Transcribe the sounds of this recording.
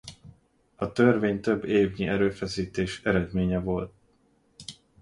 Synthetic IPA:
ɒt̪ørveːɲt̪ø̞bːeːvɲiʔɛɾøːfɛsiːt̪eːʃɛɾɛd̪meːɲɛvo̞lt̪̚

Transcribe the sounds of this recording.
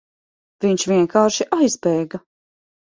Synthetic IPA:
viɲʃviɛŋkaːɾʃiʔajspɛːɡa

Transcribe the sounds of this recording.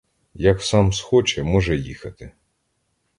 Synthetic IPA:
jɐksɑmsxɔt͡ʃɛmɔʒɛjixɐt̪ɪ

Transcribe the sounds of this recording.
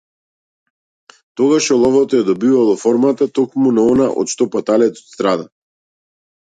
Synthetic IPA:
t̪ɔɡaʃɔlˠɔvɔt̪ɔjad̪ɔbivalˠɔfɔɾmat̪at̪ɔkmunaɔnaʔɔ̰t̪ʃt̪ɔpat̪alɛt̪ɔ̥t̪st̪ɾad̪a

